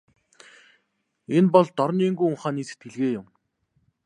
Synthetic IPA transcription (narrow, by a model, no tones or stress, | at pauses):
enpɔɮt̪ɔɾniːŋɡujʊɴχaːniːsĕ̥t̪ɡeɮɣeːjʊm